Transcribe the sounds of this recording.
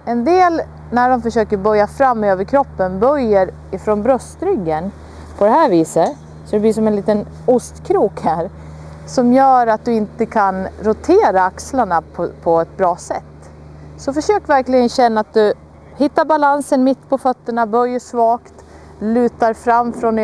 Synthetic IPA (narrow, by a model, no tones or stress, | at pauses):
ɛnd̪eːl | næɖɔmfœʂøːkəɾbœɾjafɾamːøːvəɾkʰɾɔpːənbœɾjːəɾ | ɪfɾɔnbɾœst̪ɾʏɡːən | pʰɔd̪ɛɦæːɾviːsə | sɔd̪ɛbliːʂɔmɛnliːt̪ən | ʊst̪kʰɾuːkhæːɾ | sɔmjœːɾat̪̚d̪ɵɪnt̪əkʰanɾʊt̪ʰeːɾaakslaɳapʰɔpʰɔɛt̪̚bɾɑːsɛt̪ː | sɔfœʂøːkvæɾklɪɡənɕɛnːaat̪̚d̪ɵ | hɪt̪ːaɾbalansənmɪt̪ːpʰɔfœt̪ːəɳabœjːəʂvɑːkt̪ | lʉ̟ːt̪aɾfɾamːfɾɔn